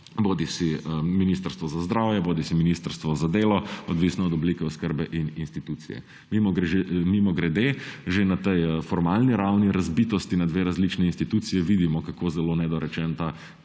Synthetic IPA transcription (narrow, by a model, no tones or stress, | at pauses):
boːd̪isiminist̪əɾst̪ʋɔzazd̪ɾawjɛboːd̪isiminist̪əɾst̪ʋɔzad̪eːlɔɔd̪ʋisnɔːd̪ɔblikɛɔskəɾbɛʔininst̪it̪ut̪sḭjɛ̰ | mimɔmimɔɡɾɛd̪eːʒenat̪ɛjfɔɾmalniɾawniɾazbit̪ɔst̪inad̪ʋeːɾazlit͡ʃnɛinst̪it̪ut̪sijɛʋid̪imɔkakoːzɛlonɛd̪ɔɾɛt͡ʃɛnt̪a